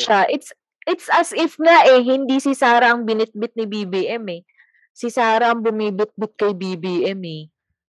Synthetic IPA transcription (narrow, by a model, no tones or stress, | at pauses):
ʃaʔɪt̪s | ʔɪt̪sʔɐsʔɪfŋaʔɛɦɪnd̪isɪsaːɾɐɐŋbɪnɪt̪̚bɪt̪̚nɪbiːbiːʔɛmɛ | sɪsaːɾɐɐŋbʊmiːbɪt̪̚bɪt̪̚kɐjbiːbiːʔɛmɛ